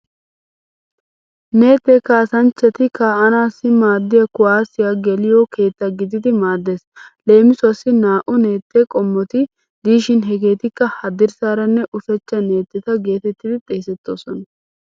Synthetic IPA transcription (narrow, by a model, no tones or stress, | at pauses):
ne̞ːt̪ːɛkaːsɐnt͡ʃːɛt̪ɪkaɐnaːsːɪmaːd̪ːɪjɐkʊwaːsɪjɐɡɛlɪjoke̞ːt̪ːɐɡɪd̪ɪd̪ɪmaːd̪ːesle̞ːmɪsʊɐsːɪnaːʔʊne̞ːt̪ːɛkʼɔmːɔt̪ɪ | d̪iːʃɪnɦɛɡe̞ːt̪ɪkːɐhɐd̪ɪɾsaːɾɐnːɛʔʊfɛt͡ʃːɐne̞ːt̪ːɛt̪ɐɡe̞ːt̪ɛt̪ːɪd̪ɪt̪ʼeːsɛt̪ːoːsɔnɐ